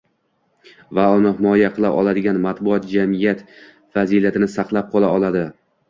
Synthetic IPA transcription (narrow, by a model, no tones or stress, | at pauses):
vaʊnɪhɪmɒjaqʰɨlˠa̰ʔɒlˠad̪ɪɡʲanmat̪bʊɒt̪̚d͡ʒamɪjat̪ | fazilat̪ʰɪnɪsɑqlˠap̚qʰɒlˠaɒlˠad̪ɪ